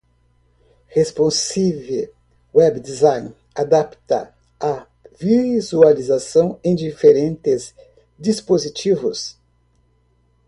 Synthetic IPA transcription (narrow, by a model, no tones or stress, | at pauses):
hespõsive | wɛbd̪izãj̃n | ad̪apt̪ɐ̰ | a | vizualizasɐ̃w̃ẽj̃d͡ʒifeɾẽnt̪ɪz | d͡ʒispozit͡ʃivʊs